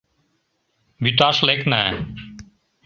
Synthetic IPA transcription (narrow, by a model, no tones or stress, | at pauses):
byt̪aʃlekna